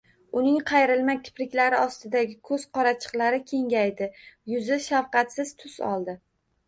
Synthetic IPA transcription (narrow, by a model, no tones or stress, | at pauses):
ʊnɪŋqʰɑjɾɪlmakʲʰɪ̥pɾɪkʲlaɾɪɒst̪ɪd̪aɡʲɪkʰɵz̥qʰɒɾat͡ʃʰɨ̥qlˠaɾɪkʲʰe̞ŋʲajd̪ɪjʊzɪʃawqɑt̪sɪz̥t̪ʰʊsɒ̰lˠd̪ɪ